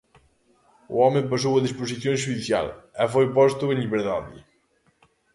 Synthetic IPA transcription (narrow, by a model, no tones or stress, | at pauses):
ṵɔmẽpɐs̬owɐðiʃpoziθjõʒuðiθja̰lɛfojpɔst̪ʊẽʎiβeɾða̰ðɪ̰